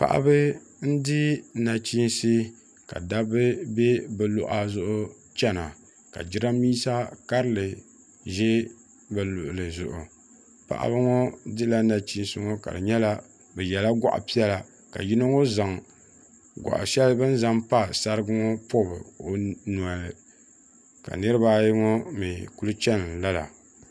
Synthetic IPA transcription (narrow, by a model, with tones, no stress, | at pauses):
pa̰˨ʔa̰˦bɨ˦n̩˦dɪ˦na˨t͡ʃi˦nsi˦ | ka̰˨da˦bɨ˦bɛ˦bɛ˨lʊ̰˨ʔa˦zʊ˦ʔʊ˦ | t͡ʃɛ˦na˨ | ka̰˨d͡ʒɪ˦ɾa˦miː˦sa˦ka˦ɾɨ˦lɨ˨ | ʒɛ˦ | bɨ˨lʊ˨ʔʊ˨lɨ˨zʊ̰˨ʔʊ˨ | pa̰˨ʔa̰˦bɨ˦ŋɔ˦dɨ˦la˦na˨t͡ʃi˦n˦sʊ˦ŋo˦ka̰˨dɨ̰˨ɲɛ˦la˦ | bɛ˨jɛ˨la˦ɡʷa̰˦ʔa̰˨pi˦ɛ˦la˨ | ka̰˨ji˦no˦ŋo˦za˨ŋ | ɡʷa̰˨ʔʃɛ˦lbɨ˦n̩˦za˦mpa˦sa˦ɾɨ˦ɡʊ˦ŋɔ˦po˦bɨ̰˨o˨nu˨a˨lɨ˨ | ka̰˨nɨ˦ɾɨ˦ba˦ji˦ŋɔ˦mi˨ku˦lʊ˦t͡ʃɛ˦n˨la˦la̰˨